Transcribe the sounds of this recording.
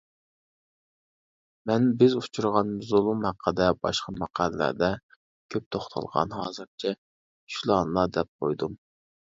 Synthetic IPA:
mɛnbɪzut͡ʃʰuɾʁɑnmzolˠumhæqʰːəd̪ɛbɑ̰ʃqʰɑmɑqʰæɾlæ̰ɾd̪ɛ | kʲʰøp̚t̪ʰoχt̪ʰɑ̰lˠʁɑ̰nɦɑ̰ːzɨɾt͡ʃʰɛ | ʃulˠɑnlˠɑd̪ɛp̚qʰo̰jd̪um

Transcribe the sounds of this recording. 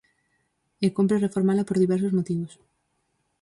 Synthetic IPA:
ekomp̬ɾerefoɾmalapoɾðiβeɾsozmot̪iβ̞os

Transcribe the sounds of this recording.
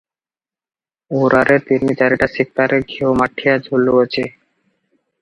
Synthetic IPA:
oɾaɾʔeɾt̪iɾmit̪aɾiʈasik̚t̪aɾeɡʱiomaʈʰːijad͡ʑʱolːoot͡ɕʰi

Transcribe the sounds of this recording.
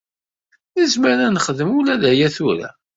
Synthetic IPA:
əzməɾænəχəðəmulæðæjæθuɾæ̰

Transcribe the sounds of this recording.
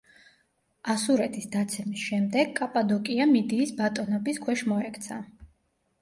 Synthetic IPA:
asuɾɛt̪ʰisd̪at̪sʰɛmisʃɛmd̪ɛɡkʼapʼad̪ɔkʼiamid̪iːsbat̪ʼɔnɔbiskʰwɛʃmɔɛkʰt̪sʰa

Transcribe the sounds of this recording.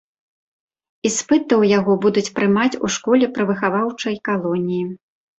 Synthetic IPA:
ispɨt̪ɐwjaɣɔbud̪ut͡sʲpɾɨmat͡sʲṵʂkɔlʲɛpɾɨvɨxavawt͡ʂɐjkalˠɔnʲiji

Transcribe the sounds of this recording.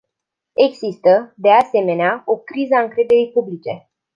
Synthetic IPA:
e̞ɡzist̪əd̪ease̞me̞neao̞kɾizəaɨŋkɾe̞d̪e̞ɾijpublit͡ʃe̞

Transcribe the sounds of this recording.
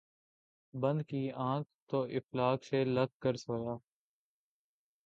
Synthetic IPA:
bə̃nd̪kiːãːk̚t̪oːʔɪflaːkseːləɡ̚kəɾsoːjaː

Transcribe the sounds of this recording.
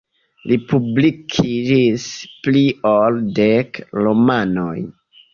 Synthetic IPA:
lipublikʰid͡ʒisplioldekɾomano̰j

